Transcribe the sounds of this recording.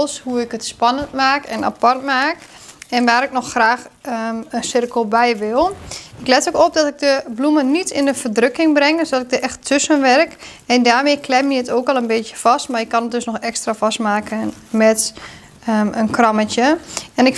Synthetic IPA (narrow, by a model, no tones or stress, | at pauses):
lˠshuɪkətspanəntmaːkɛna̰partmaːk | ɛnʋaːɾɪknɔxxraːxənsɪrkəl̩ˠbɛjʋɪlˠɪklɛtokɔp̚dɔtɪk̚dəblumənitʰɪnəfərdrøkɪŋbrɛŋdøsdɔtɪk̚dəʔɛxtʰːøsənʋɛrk | ɛndaːrmeːklɛmjəətoːkɔlˠənbeːtjəfastmarɪkːɔnət̚døsnɔxɛkstrafastmaːkʰə | mɛt | ənkrɑmətjəɛnɪk